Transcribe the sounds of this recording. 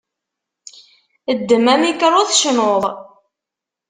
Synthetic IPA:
əd̪ːəmæmikɾˤoðʃnoðˤ

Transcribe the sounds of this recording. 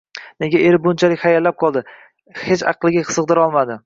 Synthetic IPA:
neɡʲaeɾɪbʊnt͡ʃʰalɪkʲhajalːap̚qʰɒlˠd̪ɪ | het͡ʃɑ̰qlˠɪɡʲḁsɨqd̪ɪɾɒlˠmad̪ɪ

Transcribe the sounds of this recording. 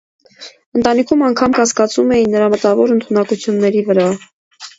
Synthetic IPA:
ənt̪ɑnikʰumɑŋkʰɑmkɑskɑt͡sumɛjinːəɾɑmət̪ɑvɔɾənt̪ʰunɑkut͡sʰjunːɛɾivəɾɑ

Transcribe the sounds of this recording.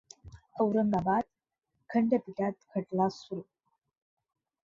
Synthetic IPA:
əwɾənd̪abad̪̚ | kʰəɳɖəpiʈat̪̚kʰəʈlasul

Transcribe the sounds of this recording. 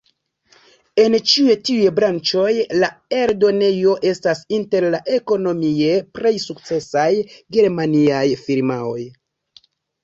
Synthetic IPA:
e̞nt͡ʃiujetiujbɾant͡ʃo̞jlaeɾdo̞ne̞jo̞ʔe̞stasinte̞ɾlaʔe̞ko̞no̞mie̞pɾe̞jsuk̚t͡se̞sajɡe̞ɾmaniajfiɾmao̞j

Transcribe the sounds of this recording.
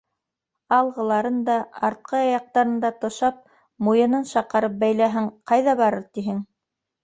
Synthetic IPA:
ɑlˠʁɤ̆lˠɑɾɤnd̪ɑɑɾt̪̚qʰɤjɑjɑq̚t̪ɑɾɤ̆nd̪ɑt̪ŏʃɑp̚ | mujɤ̆nɤnʃɑqɤ̆ɾɤp̚bæjlæɦɘŋqɑjðɑβɑɾɤɾt̪iɦɘŋ

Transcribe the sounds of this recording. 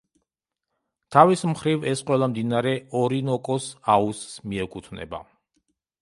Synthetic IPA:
t̪ʰavismχɾivɛsqʼwɛlˠamd̪inaɾɛɔɾinɔkʼɔsausːmiɛkʼut̪ʰnɛ̰ba̰

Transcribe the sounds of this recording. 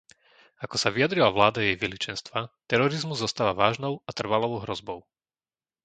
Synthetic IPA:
akɔsaʋijad̪ɾilaʋlaːd̪ajɛjʋilit͡ʃɛnst̪ʋat̪ɛɾɔɾizmuzːɔst̪aːʋaʋaːʒnɔʊat̪r̩ʋalɔʋɔʊɦɾɔzbɔʊ

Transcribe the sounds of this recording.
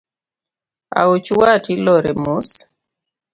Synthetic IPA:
a̰ut͡ʃwatilɔɾemus

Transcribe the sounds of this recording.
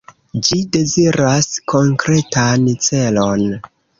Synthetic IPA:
d͡ʒide̞ziɾaskʰo̞ŋkɾe̞tant͡se̞lo̞n

